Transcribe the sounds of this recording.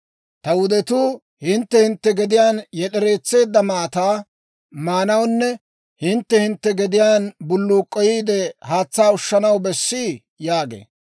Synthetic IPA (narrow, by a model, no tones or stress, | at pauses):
t̪ɐwʊd̪ɛt̪uː | hɪnt̪ːɛhɪnt̪ːɛɡɛd̪ɪjaːnjɛɗɛɾe̞ːt͡sːe̞ːd̪ːɐmaːt̪aː | maːnɐwnːɛ | hɪnt̪ːɛhɪnt̪ːɛɡɛd̪ɪjaːnbʊlːuːkʼːɔjiːd̪ɛhaːt͡sːaːʊʃːɐnɐwbɛsːi | jaːɡḛː